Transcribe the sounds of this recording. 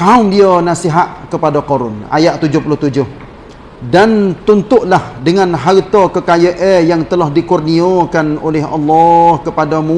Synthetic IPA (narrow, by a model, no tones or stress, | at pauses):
kaʊmdiənasiɦaʔkəpadakoɾʊ̰na̰jaʔt̪ːud͡ʒʊhpulʊht̪ud͡ʒʊh | dant̪unt̪ʊʔlahdəŋãnɦaɾt̪ɔkəkajəʔɛjaŋt̪əlahdikurniokanolɛɦɑ̰lːɔhkəpadamũ